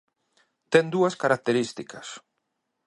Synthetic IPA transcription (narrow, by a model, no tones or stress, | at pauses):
t̪ɛnd̪uɐskaɾak̚t̪eɾist̪ikɐs